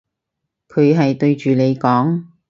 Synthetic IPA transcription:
kʰɵ˨˧ɥɦɐ˨jt̪ɵ˧ɥt͡ʃyː˨le˨˧jkɔː˨˥ŋ

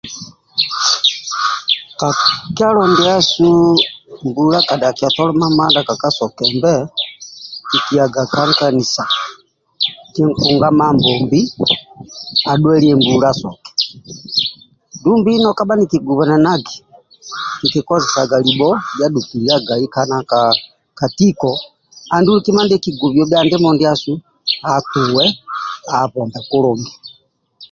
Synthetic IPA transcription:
kaki˦a˦lɔndɛa˦su˦mbula˦ka˨da˨kia˨tɔ˦lɔ˦ma˦ma˦ndaka˨ka˦sɔ˨kɛmbɛ | ki˨ki˨a˨ɡa˨ka˦ŋka˨ni˨sa˨ | kɛ˦ŋku˨ŋɡa˦mambɔmbi˦ | a˨ɗwɛ˦liɛmbulasɔ˨kɛ̥ | ndumbinɔkaba˦nikiɡuβa˨na˨naɡi˨ | nikɛ˨kɔ˦zɛsa˨ɡalibɔlja˦ɗukilia˦ɡaikanaka | ka˨tikɔ | a˨ndu˦liki˦ma˦ndɛki˨ɡu˨βjɔbjandɛ˦mɔndia˦su | atuwɛaβɔ˨mba˨ku˦lɔmba˨

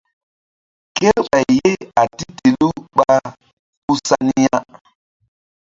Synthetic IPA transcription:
ke˦ɾɓa˨jje˦a˨ti˦te˨lu˦ɓa˦ | ku˦sa˦ni˦ja˦

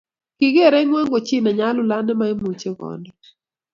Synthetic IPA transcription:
kɪ˨ɡe˦˨ɾɛ˦ŋwa˦ŋɡo˨t͡ʃi˦na˨ɲa˦lʊ˦la˦nɛ˦ma˦e˦mu˨t͡ʃe˦ɡɔ̰˨ndɛ

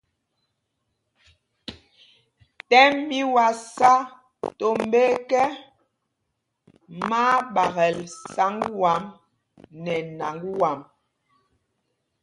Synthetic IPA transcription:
tɛ˦mːi˦wa˨sa˦ | to˨m˦be˦kɛ˦ | ma˦ɓa˨ɣɛ˨lsa˨˦ŋɡwa˨˦m | nɛ˨na˨ŋɡwa˨m

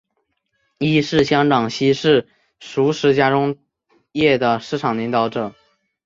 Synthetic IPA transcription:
i˥ʂɻ̩˥˩ɕjɑ˥ŋʈ͡ʂɑ˨˩ŋɕi˥ʂɻ̩˥˩ | ʂu˧˥ʂɻ̩˧˥t͡ɕja˥ʈ͡ʂʊ˥ŋ | jɛ˥˩d̪ə˩ʂɻ̩˥˩ʈ͡ʂʰɑ˨˩ŋli˧˥ŋt̪ɑ˧˩ʊʈ͡ʂɤ˨˩˦

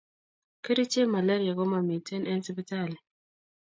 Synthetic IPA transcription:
ke˦ɾi˦t͡ʃe˦ma˨la˦ɾi˨a˨ɡɔ˦ma˨mi˨te˦nɛ˦nsi˦pi˦ta˦˨lɛ˨

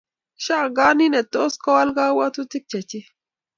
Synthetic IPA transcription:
ʃa˦˨ɡa˦ni˦nɛ˨t̪ːo˦ska˦wa˦lɡa˦wa˦t̪u˦t̪i˦k̚t͡ʃa˨t͡ʃi˦

